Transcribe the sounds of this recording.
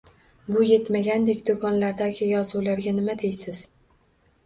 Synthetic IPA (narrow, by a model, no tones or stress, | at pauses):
bʊje̞t̪maɡʲand̪e̞kʲd̪okʰɒnlaɾd̪aɡʲɪjɒzulaɾɡʲanɪmad̪e̞jsɪz̥